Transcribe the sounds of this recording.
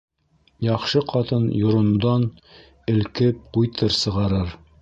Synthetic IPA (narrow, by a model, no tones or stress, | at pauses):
jɑχʃɤqɑt̪ɤnjŏɾŏnud̪ɑn | ɘ̆lkɘp̚qujt̪ʰɤɾsɤ̆ʁɑɾɤɾ